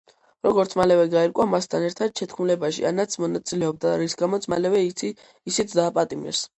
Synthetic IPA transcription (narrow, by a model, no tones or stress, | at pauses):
ɾɔɡɔɾt̪sʰmalɛvɛɡaiɾkʼwamast̪ʰanɛɾt̪ʰad̪̥̚t͡ʃʰɛt̪ʰkʰmulɛbaʃḭanat̪sʰmɔnat̪sʼilɛɔb̚d̪aɾisɡamɔt̪sʰmalɛvɛit̪sʰiː | sit̪sʰd̪aːpʼat̪ʼimɛ̰s